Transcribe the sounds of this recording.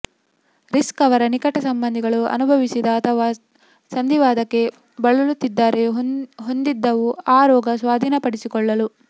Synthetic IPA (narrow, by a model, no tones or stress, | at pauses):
ɾiskɐʋɐɾɐnikɐʈɐsɐmbɐnd̪ʱiɡɐɭuɐ̰nubʱɐʋisid̪ɐːt̪ʰɐʋaː | sɐnd̪ʱiʋaːd̪ɐkːe̞ | bɐɭulut̪ːid̪ːaːɾe̞ɦo̞nd̪id̪ːɐʋuaːɾɔːɡɐsʋaːd̪ʱiːnɐpɐɽisikɔɭːɐlu